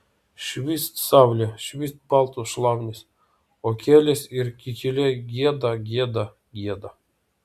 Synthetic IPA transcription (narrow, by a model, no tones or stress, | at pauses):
ʃʋʲist̪sɑwlʲeʃʋʲist̪̚pɑlˠt̪uʃlˠɑwnʲesʲ | okʲelʲesʲirʲkʲitʲilʲeɡʲed̪ɑɡʲed̪a | ɡjʲed̪a